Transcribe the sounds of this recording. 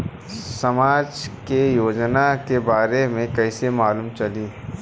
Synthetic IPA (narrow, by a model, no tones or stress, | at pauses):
sɐmaːd͡ʒkejoːd͡ʒnakebaːɾemẽkɐɪsemaːluːmt͡ʃɐliː